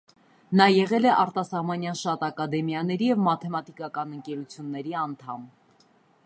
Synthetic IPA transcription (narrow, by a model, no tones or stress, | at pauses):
nɑjɛʁɛlɛʔɑɾt̪ɑsɑhmɑnjɑnʃɑt̪ɑkɑd̪ɛmjɑnɛɾijɛvmɑt̪ʰɛmɑt̪ikɑkɑnəŋkɛɾut͡sʰjunːɛɾiɑnt̪ʰɑm